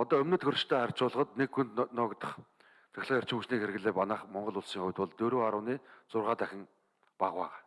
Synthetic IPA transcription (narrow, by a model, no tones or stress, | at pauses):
ɔt̪ɔːɵmnɵ̆t̪ɡɵrt͡ɕt̪ʰæːχar̥ʲt͡ɕʊːɮʁə̆t̪nekxunt̪nɔːkt̪ə̆χ | t͡sʰæ̥̆xʲɮəːjar̥t͡ɕɪ̆muʃniːkxeɾɘ̆ɣɮeːpanaːχmɔɴɢɞ̆ɮʊɮsiːŋχʊwʲt̪wɔɮt̪ɵɾoːaɾʊːniːt͡sʊrʁaːt̪æxʲɪ̆ŋ | paʁwæːʁaː